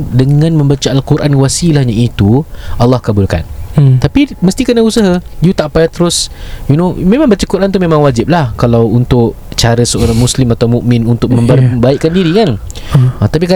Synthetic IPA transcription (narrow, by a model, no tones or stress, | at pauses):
dəŋãnmə̃mbat͡ʃəalkuɾʔanwasilahɲait̪ualːɑhkabʊlka̰nt̪apiməst̪ikənausaɦəjut̪aʔpajat̪əɾʊsjunomẽmãŋbat͡ʃəkuɾʔant̪umẽmãŋwad͡ʒɪp̚lahkalawunt̪ʊʔ | t͡ʃaɾəsəoɾaŋmuslɪmat̪awmũʔmɪ̃nunt̪ʊk̚mə̃mbbaiʔkːandiɾikan | ət̪ap̬ika